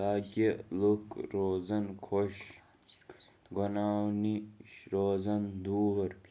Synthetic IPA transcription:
aːɡʲelukɾoːzɐnkʰoɕ | ɡonaːwniʃɾoːzɐnd̪uːɐɾ

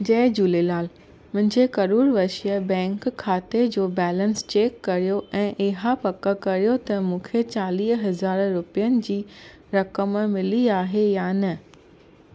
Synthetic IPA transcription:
d͡ʑɐːd͡ʑuːlelaːl | mʊ̃ɦɪ̃ɲd͡ʑekɐɾuːɾʋɐʃijəbɛ̃ːŋkʰːaːt̪ed͡ʑoːbɛːlə̃nst͡ɕeːkːɐɾijoʔɛ̃ːʔɪɦapɐkːəkɐɾijot̪ɐmũːkʰet͡ɕaːliːsɦɐzaːɾɾʊpijənɪ̆d͡ʑiː | ɾɐkəmmɪliaːɦejaːnɐ

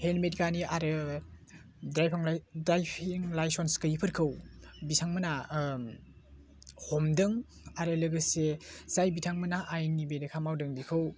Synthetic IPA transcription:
henmetɡaniaɾɯ | dajpʰŋdɾajpʰiŋlajsonskɯjipʰɐɾkʰɯwbitʰaŋmɐna | hɔmdɯŋ | aɾɯlɯɡɯsez̥ajbitʰaŋmɯnaʔajnibedɐkʰamawdɯŋdikʰɯw

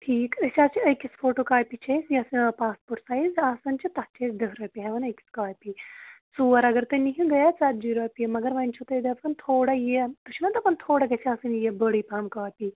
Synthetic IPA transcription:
ʈʰiːkɐsʲaːt͡ʃʰiɐjkʲisfoːʈoːkaːpit͡ʃʰɐsjɐsɨnpaːspoʈsajzaːsɐnt͡ʃʰit̪ɐt̚t͡ʃɐːsʲd̪ɐɦɾɐːpʲiɦɐʋɐnɐjkʲi̥skaːpisuːɐɾɐɡɐɾt̪ɨniɦĩɡɐjat͡saːt̪d͡ʒiɾɐːpʲiɐmɐɡɐɾʋɐnʲt͡ʃʰut̪ɐd̪ɐpɐnt̪ʰoːɽɐjet̪ɨt͡ʃʰinɐd̪ɐpɐnt̪ʰoːɽɐɡɐsʲiaːsɨnjebəɽiːpɐmkaːpi

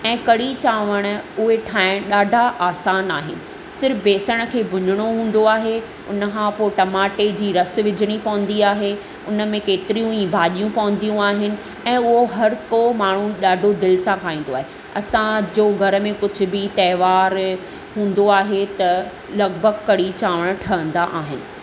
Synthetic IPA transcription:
ɛ̃ːkɐɽit͡ɕaːʋəɽ̃̆ʊɦeʈʰaːɪ̃ɽ̃ɗaːɖʱaʔaːsaːnaːɦɪnɪ̆ | sɪɾəfbeːsəɽ̃ə̆kʰeːbʱʊɲɪɽ̃oɦũːn̆d̪oaːɦe | ʊnə̆kʰãːpoːʈɐmaːʈed͡ʑiːɾɐs̆ʋɪd͡ʑʱɪɽ̃ipɐʋə̃nd̪iaːɦe | ʊnə̆mẽkeːt̪ɪɾijũĩːbʱaːʄijũpɐʋə̃n̆d̪ijũaːɦɪnɪ̆ | ɛ̃ːʊɦoɦɐɾkomaːɳ̤ũɗaːɖʱod̪ɪlsãkʰaːĩːn̆d̪oaːɦe | ɐsãd͡ʑoːɡʱɐɾə̆mẽkʊd͡ʑʱʊ̆bɪt̪ɛːʋaːɾ | ɦũːn̆d̪oaːɦet̪ɐ | lɐɡbʱəɡkɐɽit͡ɕaːʋəɽ̃ʈʰɐə̃n̆d̪aʔaːɦɪnɪ̆

